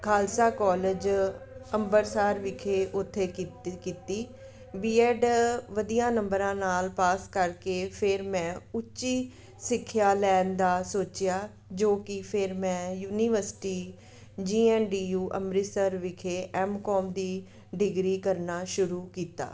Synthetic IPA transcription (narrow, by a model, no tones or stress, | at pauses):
kʰaːlsaːkɔːləd͡ʒəmbəɾsaːɾʋɪkʰeːʔʊt̪ʰːeːkiːt̪iː | biːɛːɖʋəd̪ijãːnəmbəɾãːnaːlpaːskəɾkeːpʰɪɾmɛ̃ːʊt͡ʃːʃiː | sɪkʰːjaːlɛːnd̪aːsoːt͡ʃɪjaː | d͡ʒoːkɪpʰɪɾmɛ̃ːjuːniːʋəɾsɪ̥ʈiː | d͡ʒiːɛːnɖiːjuːʔə̰mɾɪsəɾʋɪkʰeːʔɛːmkɔːmd̪iː | ɖɪɡɾiːkəɾnaːʃʊɾuːkiːt̪a̰ː